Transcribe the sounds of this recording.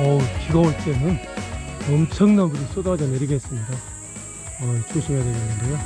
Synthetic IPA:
ʌt͡ɕiɡʌwoɭt͈e̞nɯn | ʌmt͡ɕʰʌŋnamɡɯɾos͈odad͡ʑʌneɾiɡe̞s͈ɯmɲida | ʌt͡ɕʰuŋɕʰiŋeded͡ʑanɯnde

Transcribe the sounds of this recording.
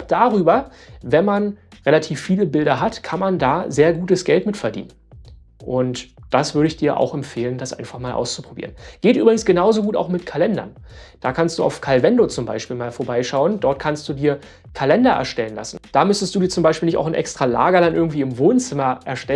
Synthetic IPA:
d̥aːʁyːbɐvɛnmanʁelatʰiːfːiːləbɪldɐɦatkʰanmandaːzeːɐɡuːtəsɡ̥ɛltmɪtfɛɐdḭːnən | ʔʊntd̥asv̥ʏɐɾəɪçd̥iːɐʔa̰ʊxɛmfeːləndasʔa̰ɪnfaχmaːlʔa̰ʊst͡su̥pʁ̥obḭːʁənɡ̥eːtʔyːbʁɪɡŋ̩sɡ̥ənaʊzoɡuːta̰ʊxmɪtkʰalɛndɐ̰n | d̥aːkʰanstd̥ṵːʔa̰ʊfkʰalvɛndot͡sʊmbaɪʃpiːlmaːlfoːɐbaɪʃaʊəndɔɐt̚kʰanstd̥uːdiːɐ | kʰalɛndɐʔɛ̰ɐʃtɛlənla̰sn̩d̥aːmʏstəstd̥uːdiːɐt͡sʊmbaɪʃpiːlnɪçtʔa̰ʊxɪnʔɛ̰kstʁ̥ala̰ːɡɐɾanʔɪɐɡŋ̩tv̥iːɪmvoːnt͡sɪmɐʔɛɐʃtɛ

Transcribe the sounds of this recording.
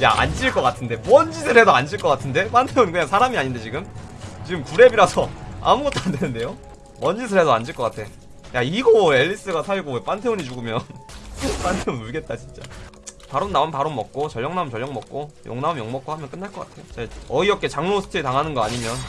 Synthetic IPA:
ja̰a̰nd͡ʑiɭk͈ʌk͈atʰɯnde̞mʌnd͡ʑidʰɯɾɦe̞doand͡ʑiɭk͈ʌk͈atʰɯnde̞pantʰeonkɯɲaŋsʰaɾamiaɲinde̞t͡ɕiɡɯmt͡ɕiɡɯmkuɾe̞biɾasʰʌa̰muɡʌt͈ʰandwenɯnde̞jo | mʌnd͡ʑisʰɯɭɦe̞doand͡ʑiɭk͈ʌk͈atʰe̞ | jaiɡoe̞ʎːis͈ɯɡasʰaɡop͈antʰe̞oɲit͡ɕuɡɯmjʌnp͈antʰe̞onuɭɡe̞t̚t͈at͡ɕint͡ɕ͈apaɾonːaonpaɾonmʌk̚k͈ot͡ɕʌʎːʌŋnaumt͡ɕʌʎːjʌŋmʌk̚k͈ojo̰ŋnaumjʌŋmʌk͈̚ohamjʌnk͈ɯnːaɭk͈ʌk͈atʰe̞jot͡ɕeʌiʌp̚k͈e̞t͡ɕaŋnosʰɯ̥tʰɯɾitaŋɦanɯnɡʌaɲimjʌn

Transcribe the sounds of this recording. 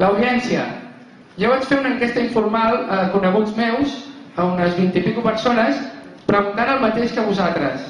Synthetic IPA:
ləwðiɛnsiə̰ | ʒɔβat͡ʃfeɾunəŋkest̪əiɱfuɾmalˠəkunəɣ̞ud͡zmewz | əunəzβint̪ipikupəɾsonəspɾəɣunt̪anəlˠmət̪eʃkəβuzalt̪ɾəs

